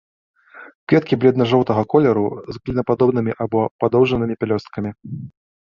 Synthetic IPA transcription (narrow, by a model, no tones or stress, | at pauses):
kvʲɛt̪kʲiblʲɛd̪nɐʐɔwt̪ɐɣɐkɔlʲɛɾuzɣlʲinɐpad̪ɔbnɨmʲiʔabɔpad̪ɔwʐɐnɨmʲipʲɛlʲɔst̪̚kɐmʲi